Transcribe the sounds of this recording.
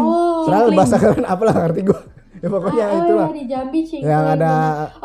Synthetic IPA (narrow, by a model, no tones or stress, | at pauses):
səɾatbaasakaɾanapalahkart̪iɡua | japokoɲait̪ulaid͡ʒambit͡ʃjaŋada